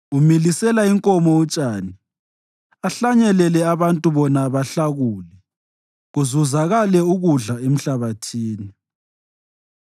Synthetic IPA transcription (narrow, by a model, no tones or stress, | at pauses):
umilisɛlaiŋkʼɔmɔut͡ʃʼaːni | aɬaɲɛlɛlɛaβantʼuβɔnaβaɬaɣuːlɛ | ɣuzuzaɣalɛuɣuɮaem̩ɬaβatʰiːni